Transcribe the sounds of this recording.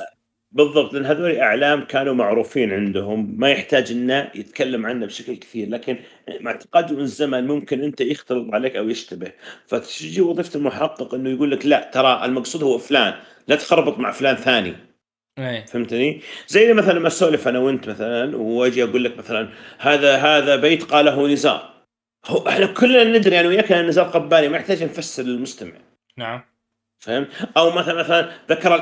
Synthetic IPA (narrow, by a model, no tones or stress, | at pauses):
bɨðˤːɑb̚t̪lʔanːɦaðoːliʔaʕlaːmkaːnumaʕɾuːfiːnʕɪnd̪ʊhʊmːajɪħt̪aːd͡ʒʔɪnːajɪt̪kalːamʕanːabʃaklkɪ̥θiːɾlaːkɪnʔmaʕt̪ɪ̥qɑːd̪imɪnɪzːamanmʊmkɪnʔɪnt̪ajɪxt̪ɑlɨt̪ˤʕaleːkʔawjɪʃt̪abɪhfat̪ɪd͡ʒiwɑðˤiːft̪ɪlmʊħɑqːɨqʔɪnːʊjɡuːlːaklaʔt̪ɑɾˤɑʔɪlmɑqsˤuːd̪hʊwːaflaːn | lat̪xɑɾˤbɑt̪ˤmaʕflaːnθaːnḭ | fahɪmt̪nizajːlimaθalanmasoːlifʔanawɪnt̪maθalanwwad͡ʒiʔaɡuːlːakmaθalanhaːðaɦaːðabeːt̪qɑːlːaɦunɪza̰ːɾˤ | hʊʔɪħnakʰʊlːanːɪd̪ɾijaʕniwɪjakannːɪzɑːɾˤqabːaːnimajɪħt̪aːd͡ʒnfasːɪɾɪlmʊst̪ama̰ʕ | n | fahɪmt̪ʔawmaθalanmaθalanðakɑɾˤ